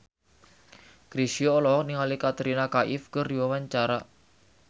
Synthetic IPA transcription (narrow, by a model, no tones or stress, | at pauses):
ɡ̥ɾisioːlɔɔk̚niŋalikat̪ɾinakaʔɪfkərdiwawaɲt͡ʃaɾa